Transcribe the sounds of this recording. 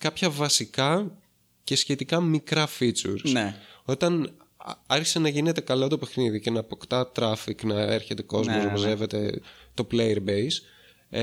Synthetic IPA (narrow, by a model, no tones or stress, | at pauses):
kɐpçɐvɐsikɐ | ce̞sçe̞t̪ikɐmikɾɐfit͡sṵɾso̞t̪ɐn | ɐɾçi̥senɐʝine̞t̪e̞kɐlot̪o̞pe̞xniðice̞nɐːpo̞kt̪ɐt̪ɾɐfiknɐe̞ɾçe̞t̪e̞ko̞zmozɾopɐze̞ve̞t̪e̞t̪o̞plejeɾbejs